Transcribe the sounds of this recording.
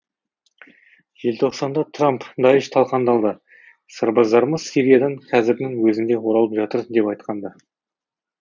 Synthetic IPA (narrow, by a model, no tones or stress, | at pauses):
ʒ̥elt̪ʰo̞qsɑnd̪ɑt̪ʰrampd̪ɑjɪʃt̪ʰɑlˠqɑnd̪ɑlˠd̪ə | səɾbəzd̪ɑɾməz̥siɾʲijad̪ɑɴqʰɑzɪɾnɪŋwɵzɪnd̪e̞woɾɑlˠəpʒɑt̪əɾd̪e̞pɑjt̪qɑnd̪ɑ